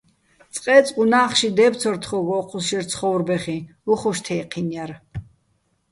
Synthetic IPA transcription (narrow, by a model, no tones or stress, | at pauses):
t̪t͡sʼqʼɛːt͡sʼqʼunaːχʃid̪ɛːpt͡sʰɔɾt̪ʰχɔɡɔːqʼʰuʃiɾt͡sʰχɔwrbɛχiuχɔʃt̪ʰɛːqʰinjaɾ